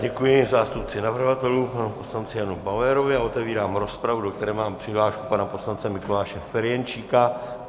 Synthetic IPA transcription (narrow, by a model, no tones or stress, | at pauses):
ɟɛkujɪzaːst̪up̚t͡sɪnavr̩ɦat̪ɛlupanuposlant͡sɪjanubalɛɾo̞vɪaot̪ɛviːɾaːmɾo̞spɾavudo̞k̚t̪ɛɾɛːmaːmpr̝̥ɪɦlaːʃku̥panapo̞slant͡sɛmɪko̞laːʃɛfɛɾjɛnt͡ʃiːka